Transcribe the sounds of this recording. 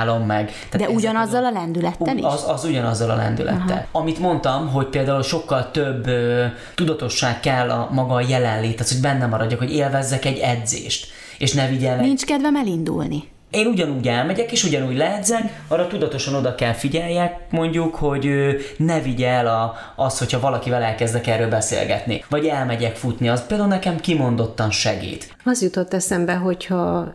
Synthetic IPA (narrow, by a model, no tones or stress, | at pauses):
lo̞mːɛɡt̪ad̪ɛuɟɒnɒzːɒlɒlɛnd̪ylɛt̪ːɛlḭzɒzuɟɒnɒzːɒlɒ̰lɛ̰nd̪y̰lʔɛ̰t̪ːɛ̰lɒmit̪mo̞nt̪ɒmɦo̞c̚peːld̪aːulʃo̞kːɒlt̪øbːø | t̪ud̪ɒt̪o̞ʃːaːkːɛlːɒ̰mɒɡɒjɛlɛnleːt̪ːaːt̪hoɟbɛnːɛmɒɾɒɟːɒkho̞ɟeːlvɛzːɛkɛɟːɛd̪zḛːʃt̪ | eːʃnɛviɟɛlnint͡ʃkɛd̪vɛmɛlind̪ṵlni | eːnuɟɒnuːɟɛlmɛɟɛkeːʃuɟɒnuːɟlɛːd̪zɛŋkɒrːɒt̪ud̪ɒt̪o̞ʃɒno̞d̪ɒkɛlfiɟɛjːɛkmo̞ɲɟukho̞ɟøːnɛviɟɛlɒ | ɒst̪ho̞cʰhɒvɒlɒkivɛlɛlkɛzd̪ɛkɛːrːøːlbɛsḛːlɡɛ̰t̪nḭvɒɟɛlmɛɟɛkfut̪niɒspeːld̪aːulnɛkɛmkimo̞nd̪o̞t̪ːɒnʃɛɡḭːt̪ | ɒzjut̪o̞t̪ːɛsɛmbɛɦo̞chɒ